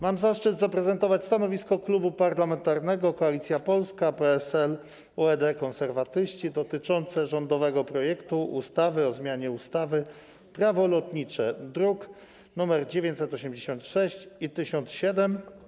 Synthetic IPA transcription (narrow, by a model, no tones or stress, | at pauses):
mamzaʂt͡ʂɘd̪zapɾɛzɛnt̪ɔvat͡ɕʲst̪anɔvʲiskɔklubupaɾlamɛnt̪aɾnɛɡɔkɔalʲit̪sʲjapɔlskapɛɛsɛl | ɔɛd̪ɛkɔnsɛɾvat̪ɘɕt͡ɕid̪ɔt̪ɘt͡ʂɔnt̪sɛʐɔnd̪ɔvɛɡɔpɾɔjɛkt̪uʔṵst̪avɘɔzmʲjaɲɛust̪avɘ | pɾavɔlɔt̪ɲit͡ʂɛd̪ɾuk | numɛɾd͡ʑevʲjeɲt͡ɕʲsɛt̪ɔɕɛmd͡ʑeɕɔnt̪ʂɛɕt͡ɕit̪ɘɕɔnt̪sɕɛd̪ɛm